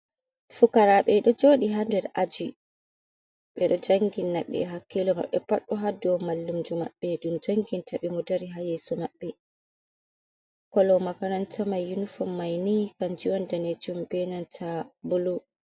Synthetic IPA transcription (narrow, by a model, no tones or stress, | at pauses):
fukaɾaɓɛɗɔd͡ʒoːɗiɦandɛɾʔad͡ʒi | ɓɛɗɔd͡ʒaŋɡinːa̰ɓɛ̰ɦakːilɔma̰ɓːɛ̰paɗːɔɦadɔmalːumd͡ʒuma̰ɓːɛɗumd͡ʒaŋɡintʰaɓɛmudaɾiɦajɛːsɔmaɓːɛ | kɔlɔmakaɾantʰamajːunufɔmːajnikand͡ʒiwandaned͡ʒumbɛnantʰabulu